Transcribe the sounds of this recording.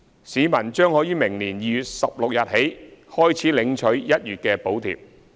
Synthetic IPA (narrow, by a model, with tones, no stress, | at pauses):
siː˨˧mɐ˨˩nt͡ʃœː˥ŋhɔː˨˥jiː˨˥mɪ˨˩ŋniː˨˩njiː˨˧jy˨t̚sɐ˨p̚lʊ˨k̚jɐ˨t̚he˨˥jhɔː˥jt͡sʰiː˨˥lɪ˨˧˥ŋt͡ʃʰɵ˨˥ɥjɐ˥t̚jyː˨t̚kɛː˧po˨˥wt̪ʰḭː˨˩p̚